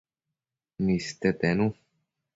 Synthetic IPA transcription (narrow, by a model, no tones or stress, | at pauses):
mist̪ɛt̪ɛnu